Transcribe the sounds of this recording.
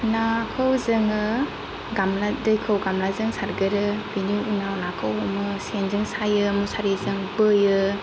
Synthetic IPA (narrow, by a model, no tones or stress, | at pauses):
nakʰɯwzɯŋɯ | ɡamladɯjkʰɯwɡamlazɯŋsaɾɡɯɾɯbinuunawnakʰawɔmɯsenzɯŋsajɯmusaɾizɯŋbɯjɯ